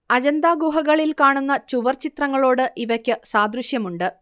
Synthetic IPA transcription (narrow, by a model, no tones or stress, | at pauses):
ɐd͡ʑɐnd̪aːɡuːɦɐɣɐɭilkaːɳunːɐt͡ɕuʋɐrt͡ɕit̪rɐŋːɐɭo̞ːɽɨʔiʋɐkʲːɨsaːd̪ɾuɕjɐmuɳɖɨ